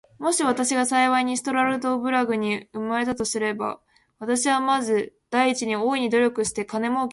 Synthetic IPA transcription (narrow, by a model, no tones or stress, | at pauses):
mo̞ɕiβ̞at̪aɕiɡasaiβaiɲ̟isɨ̥t̪o̞ɾaɾɯ̟d̪o̞bɯ̟ɾaɡɯ̟ɲ̟iɯ̟maɾe̞t̪at̪o̞sɨɾe̞ba̰ | β̞at̪aɕiβamazɨd̪̥aiːt͡ɕiɲ̟io̞ːiɲ̟id̪o̞ɾʲo̞kɯ̟ɕi̥t̪e̞kane̞mo̞ːk